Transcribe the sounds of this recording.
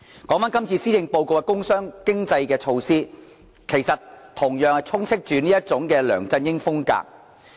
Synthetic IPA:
kɔː˨˥ŋfaː˥nkɐ˥mt͡sʰiː˧siː˥jɪ˧ŋpo˧wko˨˧wkɛ˧kʊ˥ŋsœː˥ŋkɪ˥ŋt͡sɐ˧jkɛː˧t͡ʃʰo˧wsiː˥ | kʰe˨˩jsɐ˨tt̪ʰʊ˨˩ŋjœː˨ŋhɐ˨jt͡sʰʊ˥ŋt͡sʰɪ˥k̚t͡ʃyː˨niː˥jɐ˥t̚t͡sʊ˨˥ŋkɛː˧lœ̰ː˨˩ŋt͡sɐ˧njɪ˥ŋfʊ˥ŋka̰ː˧k̚

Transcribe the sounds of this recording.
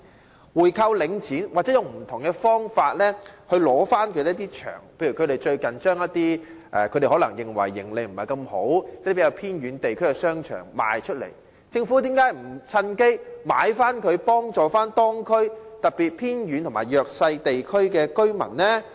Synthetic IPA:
wuː˨˩jkʰɐ˧wlɪ˨˧ŋt͡sʰiː˨˥nwaː˨t̚t͡sɛ˨˥jʊ˨ŋm̩˨˩t̪ʰʊ˨˩ŋkɛ˧fɔː˥ŋfaː˧t̚lɛː˥hɵ˧ɥlɔː˨˥faː˥nkʰɵ˨˧d̪e˨˦˥t̪iː˥t͡ʃʰœ̰ː˨˩ŋpʰe˧jɥy˨˩kʰɵ˨˧ɾe˨jt͡ʃɵ˧ɥkɐ˨nt͡ʃœː˥ŋjɐ˥t̪iː˥ | ʔɛ̰˨˧kʰde˨˩hɔː˨˥lɐ˨˩ŋjɪ˨˩ŋwɐ̰˨˩jːɪ̰˨˩ŋle˨˧jm̩˨˩hɐ˨˩jkɐ˧mho̰˨˥w̪iː˥peː˨˥jɐ˨˧wpʰiː˥nɥyː˨˧˥nt̪e˨jkʰɵ˥ɥkɛ˧sœː˥ŋt͡ʃʰœ̰ː˨˩ŋma̰ː˨jt͡ʃʰɵ˥t̚lḛ˨˩j | t͡sɪ˧ŋfu˨˥t̪iː˨˥mkaː˨˥jm̩˨˩t͡sʰɐ˧nke˥jma̰ː˨˧jfaː˥nkʰɵ˨˧ɥpɔː˥ŋt͡sɔː˨˩faː˥nt̪ɔː˥ŋkʰɵ˥ɥt̪ɐ˨t̚piː˨t̚pʰiː˥nɥy˨˥nt̪ʰma̰ː˨˩jœː˨k̚sɐ˧jt̪e˨jkʰɵ˥ɥkɛː˧kɵ˥ɥmɐ̰˨˩nːɛː˥

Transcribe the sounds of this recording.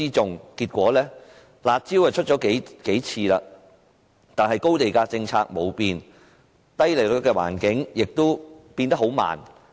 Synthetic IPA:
iː˥t͡sʊ˨ŋkiː˧t̚kʷɔː˨˥lɛː˥ | laː˨˧t̚t͡siː˥whɐ˨jt͡ʃʰɵ˥t̚t͡ʃɔː˨˥ke˨˥jke˨˥jt͡sʰiː˧laː˧ | t̪aː˨nɦɐ˨jko˥wt̪e˨jkaː˧t͡sɪ˧ŋt͡sʰaː˧k̚mo˨wpiː˧n | t̪ɐ˥jle˨˩lɪ˨˥kːɛ˧wa̰ː˨˩nkɪ˨˥ŋjɪ˨k̚t̪o˥wpi˧nt̪ɐ˥k̚ɦo˨˥wma̰ː˨˩n

